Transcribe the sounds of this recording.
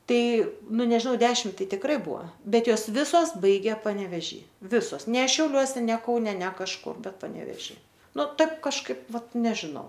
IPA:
ˈtɐɪ nʊ nʲɛʒʲɪˈnɐʊ ˈdʲæːʃʲɪm ˈtɐɪ tʲɪkˈrɐɪ ˈbʊɐ ˈbʲɛt ˈjoːs ˈʋʲɪsoːs ˈbɐɪɡʲeː pɐnʲɛʋʲɛˈʒʲiː ˈʋʲɪsoːs nʲɛ ʃʲɛʊˈlʲuɔsʲɛ nʲɛ ˈkɐʊnʲɛ nʲɛ kɐʃˈkʊr ˈbʲɛt pɐnʲɛʋʲɛˈʒʲiː ˈnʊ ˈtɐɪp kɐʃˈkɐɪp ˈʋɐt ˈnʲæːʒʲɪnɐʊ

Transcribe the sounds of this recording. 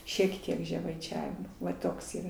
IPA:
ʃʲiɛk ˈtʲiɛk ʒʲɛmɐɪˈt͡ʃʲæːʋʲɪmoː ʋɐ ˈtoːks iːˈrɐ

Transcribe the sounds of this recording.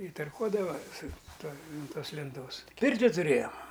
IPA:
ɪ tɐrˈkuɔdɐʋɐ sʊ ˈtuɔ ɐnt ˈtoːs lʲɛnˈtoːs ˈpʲɪrʲtʲɪ tʊˈrʲeːjoːm

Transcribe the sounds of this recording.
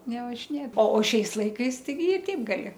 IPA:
nʲɛʋɐʒʲɪˈnʲeːt oː oː ˈʃʲɛɪs ˈlˠɐɪkɐɪs tɐɪˈɡʲɪ ɪ ˈtʲɛɪp ɡɐˈlʲɪ

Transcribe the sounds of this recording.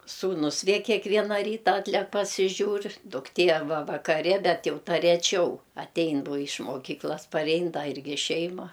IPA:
ˈsuːnʊs ˈʋʲeː kʲɛˈkʋʲiɛnɐ ˈrʲiːtɐ ˈɑːtʲlʲɛk pɐsʲɪˈʒʲuːr dʊkˈtʲeː ɐrˈbɐ ʋɐkɐˈrʲɪ ˈbʲɛt ˈjɛʊ ˈtɐ rʲɛˈt͡ʃʲɛʊ ɐtʲˈɛɪn ˈboː ɪʃ moːˈkʲiːklˠɐs pɐrʲˈɛɪn dɐ ˈɪrʲɡʲɪ ˈʃʲɛɪmɐ

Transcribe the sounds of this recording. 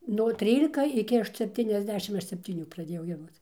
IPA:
nuɔ ˈtʲrʲiːlʲɪkɐ ɪˈkʲɪ sʲɛpʲˌtʲiːnʲɛzʲˈdʲæːʃʲɪm ˈɐʃ sʲɛpʲtʲiːˈnʲuː prɐˈdʲeːjɛʊ ɡʲiɛˈdoːt͡s

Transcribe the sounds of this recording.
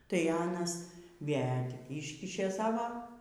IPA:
tɐɪ ˈɑːnɐs ˈʋʲeː tʲɪk ˈiːʃʲkʲɪʃʲeː ˈsɑːʋoː

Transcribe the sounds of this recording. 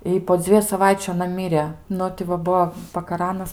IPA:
ɪ poː ˈd͡zʲʋʲiɛjʊ sɐˈʋɐɪt͡ʃʲʊ ɐˈnɐ ˈmʲiːrʲeː ˈnʊ tʲɪ ʋɐ ˈbuɔ pɐkɐˈrɑːnɐs

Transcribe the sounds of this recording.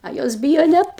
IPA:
ɐ ˈjoːs ˈbʲiːjoː ˈnʲɛt

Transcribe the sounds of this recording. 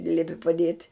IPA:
ɪ ˈlʲiɛpʲɪ pɐˈdʲiɛtʲ

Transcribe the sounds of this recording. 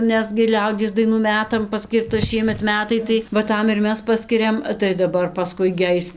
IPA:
ˈnʲɛs ɡʲɪ ˈlʲɛʊdʲiɛs dɐɪˈnuː ˈmʲæːtɐm pɐˈsʲkʲiːrtɐ ˈʃʲiɛmʲɛt ˈmʲæːtɐɪ tɐɪ ʋɐ ˈtɐm ɪr ˈmʲɛs ˈpɑːsʲkʲɪrʲɛm tɐɪ dɐˈbɐr pɐˈskʊɪ ɡʲɪ ˈɐɪs

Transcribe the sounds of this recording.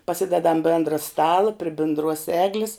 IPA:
pɐˈsʲɪdʲɛdɐm ˈbʲeːndrɐ ˈstɑːlˠɐ pʲrʲɪ bʲɪndˈruɔs ˈæːɡlʲɪs

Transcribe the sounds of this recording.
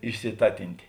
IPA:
ɪʃʲsʲɪˈtɑːtʲɪnʲtʲeː

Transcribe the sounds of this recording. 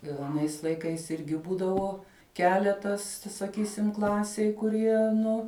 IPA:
ɪr ɐˈnɐɪs lˠɐɪˈkɐɪs ˈɪrʲɡʲɪ ˈbuːdɐʋoː ˈkʲæːlʲɛtɐs sɐˈkʲiːsʲɪm ˈklˠɑːsʲeːj kʊˈrʲiɛ nʊ

